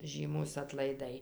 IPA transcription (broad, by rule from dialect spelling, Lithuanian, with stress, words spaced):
ˈʒʲiːmuːs ɐtlˠɐɪˈdɐɪ